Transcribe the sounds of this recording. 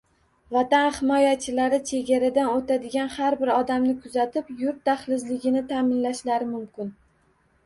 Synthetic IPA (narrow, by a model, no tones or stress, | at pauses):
vat̪anhɪmɒjat͡ʃʰɪlaɾɪt͡ʃʰe̞ɡʲaɾad̪anot̪ʰad̪ɪɡʲanhaɾbɪɾɒd̪amnɪkʰʊzat̪ʰɪpjʊɾt̪ːaχlɪzlɪɡʲɪnɪt̪ʰaːmɪnlaʃlaɾɪmʊmkʲɪn